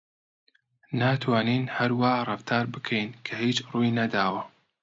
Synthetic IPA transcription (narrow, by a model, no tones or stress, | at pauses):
naːt̪ʰwaːniːnhɐɾwaːrˤɐft̪ʰaːɾbɨkʰɛjnkʰɐhiːt͡ʃruːjnɐd̪aːwɐ